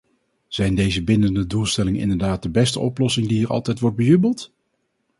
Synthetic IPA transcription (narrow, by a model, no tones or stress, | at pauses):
z̥ɛjndejzəbɪndəndədulˠstɛlɪŋənɪ̰ndəɹdaːt̚dəbɛstəʔɔplɔsɪŋdiɛɹʔɑ̰lˠtɛjtʋɔɹd̚bəjybəlˠt